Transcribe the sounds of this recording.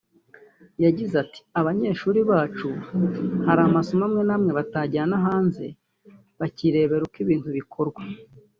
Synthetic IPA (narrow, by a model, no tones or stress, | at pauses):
jaɟizati̥aβaɲe̞ːʃuːɾiβaːt͡ʃu | haɾaːmaso̞mamŋe̞namŋe̞βataɟaanaɦaːnze̞̰ | βaciɾe̞ːβe̞ɾukiβiːntuβikʰo̞ɾɡwa